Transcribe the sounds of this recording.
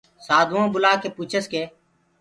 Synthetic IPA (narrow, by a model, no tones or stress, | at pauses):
saːd̪ʱõːbʊlaːkeːpuːt͡ʃʰəskeː